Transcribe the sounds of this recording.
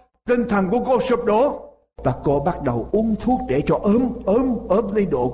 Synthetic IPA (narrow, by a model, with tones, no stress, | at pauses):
k̪ï˧ŋ̟t̪ʰə˨˩nkṵ˧˥əko˧˩sɨ˨˩p̚ɗo˨˧˦ | vaː˨˩ko˧ɓa˦˥t̚ɗə˨˩wʔu˧nt̪ʰu˦˥ək̚ɗe˧˩t͡ɕɔ˧ʔəː˨˦mʔəː˨˦mʔəː˨˦mvə˨˦jɗo̰˧˨